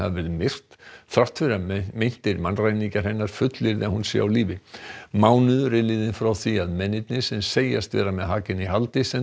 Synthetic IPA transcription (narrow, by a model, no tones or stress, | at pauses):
a̰vvɪðmɪr̥t̪θɾaht̪fɪɾamejn̥t̪ɪɾmanraːjniŋcaɾ̥hɛnːaɾ̥fʏt̪lɪɾðɛhunsɛ̰awliːvɪmaːwnʏðɾɪlɪðɪnfɾawθiaðmɛnːɪt̪̚nɪsɛmseːjast̪vɛ̰ːɾamɛðɦaːcɪniɦalt̪ɪsɛ